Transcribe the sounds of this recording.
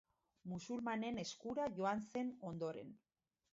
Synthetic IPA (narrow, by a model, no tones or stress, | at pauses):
musulmane̞ne̞skuɾaʝo̞anse̞no̞nd̪o̞ɾe̞̰n